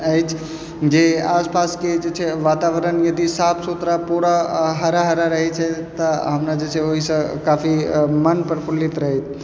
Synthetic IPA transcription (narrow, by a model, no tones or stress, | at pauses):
əɪt͡ʃʰ | d͡ʒeaːspaːsked͡ʒet͡ʃʰɛʋaːt̪aːʋəɾənjɐd̪isaːpʰsot̪ɾapuɾaɦəɾaɦəɾaɾəɦɛt͡ʃʰɛt̪əɦəmɾad͡ʒeːt͡ʃʰeoɦisə̃kaːfʰimənpəɾpʰʊlit̪ɾəɦɛt̪ʰ